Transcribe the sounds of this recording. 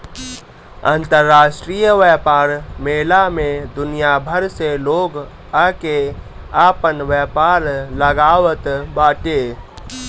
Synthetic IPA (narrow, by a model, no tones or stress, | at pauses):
ə̰nt̪əɾːaːʃʈɾijəʋɛːpaːɾmeːlamẽd̪ʊnijabʱəɾseloːɡ | ake | aːpənʋjɛːpaːɾləɡaːʋət̪baːʈe